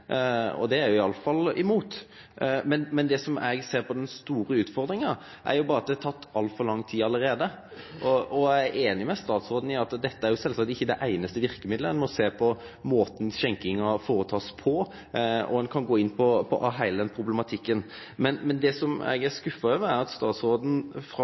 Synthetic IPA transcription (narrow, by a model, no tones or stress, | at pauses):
ɔ̰d̪ɛæɾjʊɪɑlːəfɑlɪ̰muːt̪ | mɛnmɛnd̪ɛsɔmɛɡseːɾpɔd̪ɛnst̪uːɾəʉːt̪fɔʁd̪ɾɪŋɑ | ʔæ̰ɾjʊbɑːɾɑt̪̚d̪ɛhæɑt̪ʰɑt̪ːɑlt̪fɔɾlɑŋːt̪ʰiːɑləɾeːd̪ə | ʔɔɔæeːnɪmɛst̪ɑːt̪sɾoːd̪n̩ɪɑt̪d̪ɛt̪ːəæɾjʊsɛlsɑk̚t̪ɪçːəd̪ɛʔæɪnəst̪əʋɪɾkəmɪd̪lənmɔseːpʰɔ | moːt̪n̩ɕɛŋkɪŋɑfoːɾət̪ʰɑːspʰɔ | ʔɔ̰ɛnkʰɑnɡoːɪnːpʰɔpʰɔ̰ʔɦæɪləd̪ɛnpʰɾʊbləmɑt̪ʰɪkːən | mɛnmɛnd̪ɛsɔmæ̰ɡæɾskʉfɑøːʋəæɾɑt̪st̪ɑːt̪sʁoːd̪n̩fɾ